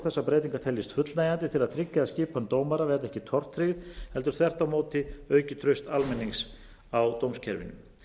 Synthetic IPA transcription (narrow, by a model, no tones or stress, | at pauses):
θɛsːapɾɛːt̪iŋkaɾt̪ʰɛljɪst̪fʏt̪lnajant̪ɪt̪ʰɪlaðt̪ʰɾɪcːɪaðscɪːpant̪oːwmaɾavɛːɾaðɛhcɪt̪ʰɔr̥t̪ʰːɾɪɣɪðhɛlt̪ʏɾ̥θɛr̥t̪amoːwt̪ɪœːɥcɪt̪ʰɾœɥst̪almɛnːiŋks | awt̪owmscʰɛ̰ɾvɪ̰nʏ̰m